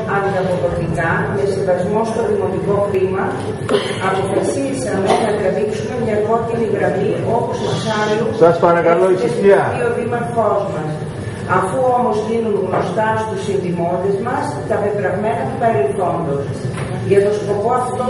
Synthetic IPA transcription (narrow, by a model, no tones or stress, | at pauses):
ɐnd̪ɐpoðo̞t̪ikɐmesinðɐzmo̞st̪o̞ðimo̞t̪iko̞θimɐ | ɐpo̞fɐsisɐmenɐðiɐðiksumemɲɐko̞ciniɣɾɐmio̞post̪osɐlusɐspɐɾɐkɐloisiiɐioðimɐko̞zmɐs | ɐfuo̞mo̞zðinunɣno̞st̪ɐst̪usinðimo̞t̪ezmɐs | t̪ɐpet̪ɾɐvme̞nɐt̪upɐɾilθo̞nd̪o̞s | ʝɐt̪o̞sko̞po̞ɐft̪ot̪o